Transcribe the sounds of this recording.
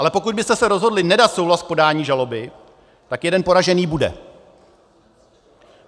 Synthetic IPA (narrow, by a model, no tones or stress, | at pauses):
ʔalɛpo̞kut̪̚bɪst̪ɛsɛɾo̞zɦo̞dlɪnɛdat̪sowɦlaskpo̞daːɲiːʒalo̞bɪ | t̪akjɛdɛnpo̞ɾaʒɛniːbudɛ̰